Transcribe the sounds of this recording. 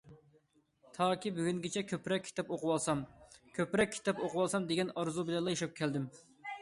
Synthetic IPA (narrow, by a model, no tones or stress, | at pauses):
t̪ʰɑːkʲibyɡʲyŋɡʲɛt͡ʃʰɛkʲʰøpɾɛkʲʰːi̥t̪ɛpoqʊwɑlˠsɑmkʲʰøpɾɛk̚ʲʰːi̥t̪ɛpoqʰʊwɑlˠsɑmd̪eɡʲɛnɑɾzubɪlɛnlˠɑjeʃɑp̚kʲʰɛld̪ɪm